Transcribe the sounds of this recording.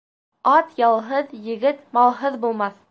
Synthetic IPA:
ɑt̪jɑlˠɦɤðjɘ̆ɡɘt̪mɑlˠɦɤðbulˠmɑθ

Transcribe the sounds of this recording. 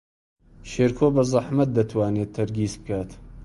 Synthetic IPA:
ʃeːɾkʰobɐzˤɑħmɐt̪̚d̪ɐt̪ʰwaːnet̪ʰːɐɾɡiːsb̚kaːt̪

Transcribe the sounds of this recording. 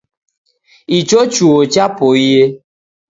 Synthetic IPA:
it͡ʃot͡ʃuot͡ʃapoije

